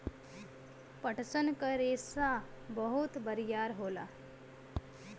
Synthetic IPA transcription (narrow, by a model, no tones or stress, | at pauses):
pəʈʰsənkəɾesa | bəɦut̪bəɾjaɾɦola̰